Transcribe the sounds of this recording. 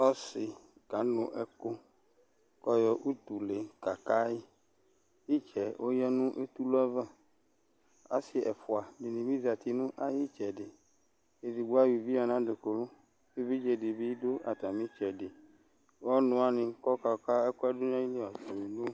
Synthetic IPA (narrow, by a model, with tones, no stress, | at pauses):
ɔ˦sɪ˨ | ka˨˦nʊ̃˨ʔɛ˦ko˦ | kɔ˦jɔ˦ʔu˦t̪u˨le˨ka˨ka˦ji˦ | ji˦t͡ʃɛ˨wʔo˦jɛ˦nũ˦ʔe˦t̪u˦lɛ˦va˦ | a̰˦sɪ˨ɛ˨fʊ˨a˨ni˨nĩ˨mĩ˦zi˨a˨t̪i˦nũ˦ʔa˦ji˦t͡ʃɛ˨dɪ˨ | e˨zi˨ɡ͡bo˦a˦wi˨vi˦a˨nã˦ɖe˨ko˨lo˦ | e˦vi˦d͡ʒɛ˨di˨bi˦do˦a˨t̪a˨mĩ˦t͡ʃɛ˨dɪ˨ | wɔ˦nʊ̃˨a˨nɪ̃˨˦kɔ˦ka˨ka˦ɛ˦ko˦a˦do˦ɲ˦ã˦ji˦le˦a˨t̪a˨mĩ˨no˦